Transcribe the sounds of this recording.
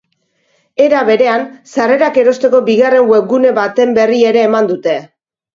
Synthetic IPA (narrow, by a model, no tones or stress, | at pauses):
e̞ɾaβe̞ɾe̞ansare̞ɾake̞ɾo̞st̪e̞ko̞biɣare̞ŋweɡune̞βat̪e̞mbe̞rie̞ɾe̞ːmand̪ut̪e̞